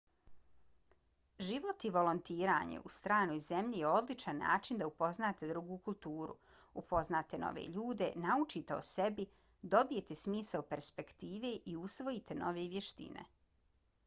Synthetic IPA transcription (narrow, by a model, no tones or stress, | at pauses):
ʒiʋo̞t̪iʋo̞lont̪iːɾa̰ːɲḛʔust̪ɾaːno̞ːjze̞mʎijeo̞d̪lit͡ʃanːa̰ːt͡ʃind̪aupo̞znaːt̪e̞d̪ɾuɡuːkulˠt̪uːɾṵ | upʰo̞znaːt̪e̞no̰ʋḛːʎuːd̪e̞naut͡ʃit̪eo̰se̞bi | d̪o̞bijet̪esmiːsaopeɾspe̞kt̪iːʋeʔiusʋo̞it̪e̞nʔoʋeʋje̞ʃt̪ḭnḛ